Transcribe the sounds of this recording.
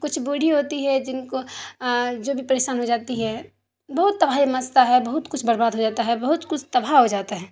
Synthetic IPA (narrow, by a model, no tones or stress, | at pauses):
kʊt͡ʃʰbuɽʱiɦoːt̪iɦɛd͡ʒɪnko | d͡ʒoːbʱipɐɾeːʃaːnɦod͡ʒaːt̪iɦɛ | bɐɦʊt̪ːɐbʱaimɐst̪aɦɛbɐɦʊt̪kʊt͡ʃʰbɐɾbaːd̪ɦod͡ʒaːt̪aɦɛbɐɦʊt̪kʊt͡ʃʰt̪ɐbʱaɦod͡ʒaːt̪aɦɛː